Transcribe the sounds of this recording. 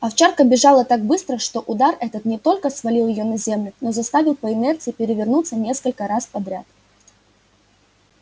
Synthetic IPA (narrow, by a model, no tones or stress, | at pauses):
ɐft͡ɕarkəbʲɪʐɑlˠət̪ak̚bɨst̪ɾəʂt̪o̞ʔʊd̪arɛt̪ət̪nʲɪt̪o̞lʲkəsvɐlʲilˠjɪjonɐzʲemlʲʊno̞zɐst̪avʲɪlˠpəɪnɛrt̪sɨjɪpʲɪɾʲɪvʲɪrnut̪sənʲe̞skəlʲkəɾaspɐd̪ɾʲat̪̚